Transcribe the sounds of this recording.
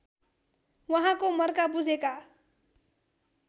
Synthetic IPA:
wʌɦãkomʌrkabud͡zʱeka

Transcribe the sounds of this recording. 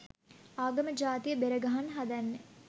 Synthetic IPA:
aːɡɐməd͡ʒaːt̪ijəbeɾəɡɐɦanɦad̪ɐnːe

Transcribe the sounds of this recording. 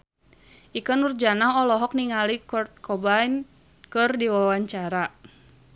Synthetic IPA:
ʔikənurd͡ʒanaɦɔlɔɦɔk̚niŋalikɔt̪̚kʰɔbain | kɨrdiwawaɲt͡ʃaɾa

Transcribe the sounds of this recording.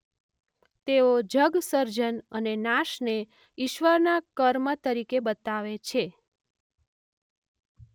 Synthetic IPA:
t̪eod͡ʒəɡsəɾd͡ʒənənenaʃne | iʃʋəɾnakəɾmət̪əɾikebət̪aʋet͡ʃʰe

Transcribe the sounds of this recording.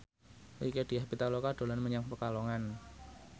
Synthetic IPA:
liked̥iahpit̪alokaɖ̥o̤lanməɲaŋpəkaloŋan

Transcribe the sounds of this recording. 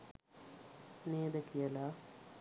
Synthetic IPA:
neːd̪ɐkijɐla

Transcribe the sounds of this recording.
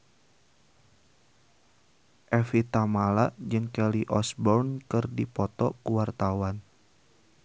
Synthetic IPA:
ʔɛfit̪amalaʔd͡ʒɨŋkɛliʔɔsbɔrnkɨrdipɔt̪ɔkuwart̪awan

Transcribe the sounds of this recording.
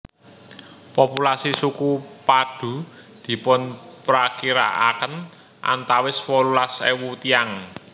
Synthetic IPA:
populasisukupad̥ṳd̪̥i̤pʊnpɾakiɾa̰ʔa̰kən | ʔa̰nt̪awɪswɔlulasewut̪iaŋ

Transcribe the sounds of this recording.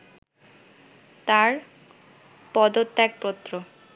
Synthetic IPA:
t̪aɾ | pɔd̪ot̪ːɛk̚pɔt̪ːɾo

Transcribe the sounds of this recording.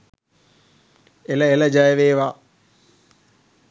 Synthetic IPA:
eləeləd͡ʒajəʋeːʋa

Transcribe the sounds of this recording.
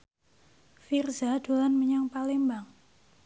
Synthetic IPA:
firzad̥olanməɲaŋpalembaŋ

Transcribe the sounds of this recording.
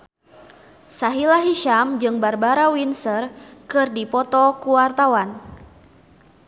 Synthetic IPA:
saɦilaɦiʃamd͡ʒɨŋbarbaɾawinsərkɨrdipɔt̪ɔkuwart̪awan

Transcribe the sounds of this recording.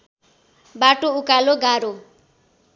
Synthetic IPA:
baʈoukaloɡaɾo

